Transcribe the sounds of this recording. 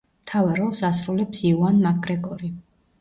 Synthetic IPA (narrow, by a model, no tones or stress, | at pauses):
mt̪ʰavaɾɔlˠsasɾulɛpsiuanmakʰʼɾɛkʼɔɾi